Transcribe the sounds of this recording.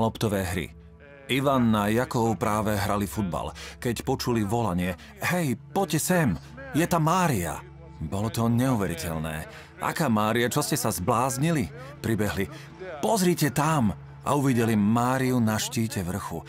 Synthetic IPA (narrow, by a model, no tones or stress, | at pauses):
lɔpt̪ɔʋɛːɦɾḭ | iʋanːajakɔʊpɾaːʋɛɦɾalifud̪̚ba̰lkɛcpɔt͡ʃuliʋɔlaɲɪɛ | ɦɛjpɔcɛsɛm | jɛt̪amːaːɾia̰ | bɔlɔt̪ɔɲɛuʋɛɾicɛʎnɛ̰ː | ʔa̰kaːmaːɾiat͡ʃɔscɛsazblaːzɲili | pɾibɛɦli | pɔzɾiːcɛt̪am | ʔa̰uʋiɟɛlimaːɾiunaʃciːcɛʋr̩xu